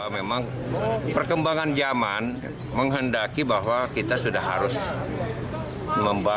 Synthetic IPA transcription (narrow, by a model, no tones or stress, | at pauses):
amemaŋ | pərkəmbaŋand͡ʒaman | məŋɦəndakibaɦwakit̪asudahːa̰ɾʊs | məmba